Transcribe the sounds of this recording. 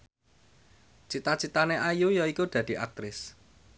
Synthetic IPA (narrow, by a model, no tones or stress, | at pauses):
t͡ʃit̪at͡ʃit̪aneʔajujɔikud̪̥ä̤d̪̥i̤ʔak̚t̪ɾɪs